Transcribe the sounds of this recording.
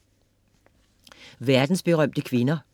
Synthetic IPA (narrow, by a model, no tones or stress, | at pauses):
ʋæɐd̥n̩sb̥e̝ʁɶm̰d̥əkʰʋe̝nɐ